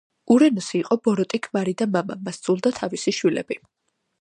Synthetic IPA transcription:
uɾɛnɔsiːqʼɔbɔɾɔt̪ʼikʰmaɾid̪amama̰masd̪zʼulˠd̪at̪ʰavisiʃwilɛ̰bi

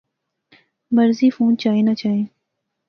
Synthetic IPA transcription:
məɾziːfũːnt͡ʃaːɦẽːnat͡ʃaːɦẽː

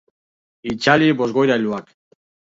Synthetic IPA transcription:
it͡ʃalibo̞zɣo̞jɾajluak

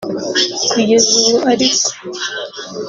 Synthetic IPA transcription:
kʰujezuaɾiko̥

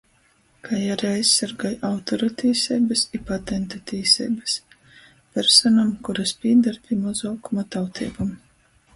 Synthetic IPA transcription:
kʰajaɾiajsːaɾɡajawt̪ɔɾut̪iːsʲɛjbɨsipat̪ɛnt̪ut̪iːsʲɛ̰jbɨs | pʲɛɾsɔnamkuɾaspʲiːd̪aɾpʲimɔzɔːkumat̪awt̪ʰḭːbum

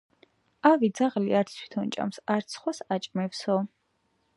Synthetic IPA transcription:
avid̪zaʁliaɾt̪sʰt̪ʰwi̥t̪ʰɔnt͡ʃʼa̰msaɾt̪sʰχwasat͡ʃʼmɛfsɔ

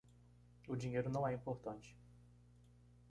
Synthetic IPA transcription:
ʊd͡ʒĩɲejɾʊnɐ̃w̃ɛĩpoɾt̪ɐ̃t͡ʃɪ̥

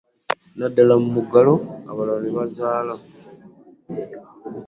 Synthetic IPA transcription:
nadːalamumuɡalo̞aβalaβniβazaːla

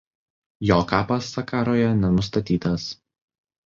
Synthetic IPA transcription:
joːkɑːpɐsːɐkɑːɾoːjɛnʲɛnʊst̪ɐt̪ʲiːt̪ɐs

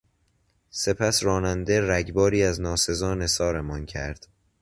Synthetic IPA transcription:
se̞pʰæsrɒːnænd̪eræɟbɒːɾiːæznɒːse̞zɒːne̞sɒːɾe̞mɒncʰæɾd̪̥

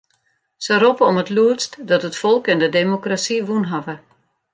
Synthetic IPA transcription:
səropəɔmətluətstdɔtətfɔlˠkɛndədemokrasiʋunɦavə

